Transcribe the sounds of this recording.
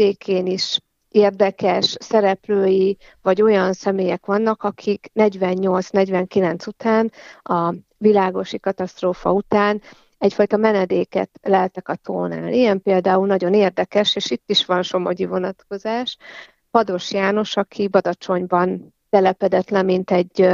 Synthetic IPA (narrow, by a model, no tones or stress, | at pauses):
eːkʰeːniʃ | eːrd̪ɛkɛʃsɛɾɛpløːji | vɒɟo̞jɒnsɛmeːjɛkʋɒnːɒkɒkʰiknɛɟʋɛɲːo̞lt̪snɛɟʋɛŋkilɛnt̪sut̪aːnɒ | vilaːɡo̞ʃikɒt̪ɒst̪roːfɒ̰ut̪aːn | ɛcfɒjt̪ɒmɛnɛd̪eːkɛ̰t̪lɛlt̪ɛkɒt̪ʰo̰ːna̰ːlijɛmpeːld̪aːulnɒɟo̞neːrd̪ɛkɛʃeːʃit̪ːiʃʋɒnʃo̞mo̞ɟivo̞nɒt̪ko̞zaːʃ | pɒd̪o̞ʃjaːno̞ʃɒkʰibɒd̪ɒt͡ʃo̞ɲbɒn | t̪ɛlɛpɛd̪ɛt̪lɛmːint̪ɛɟː